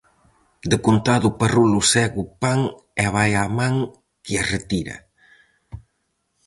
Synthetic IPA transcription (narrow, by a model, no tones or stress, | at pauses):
d̪ekunt̪aðuparulusɛɣupaŋ | ɛβajamaŋ | kiaret̪iɾɐ̰